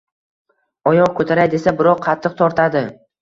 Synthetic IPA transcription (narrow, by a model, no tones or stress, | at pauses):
ɒjɒq̚kʰɵt̪ʰaɾajd̪e̞sabɪɾɒqqʰɑt̪ʰːɨq̚t̪ʰɒɾt̪ʰad̪ɪ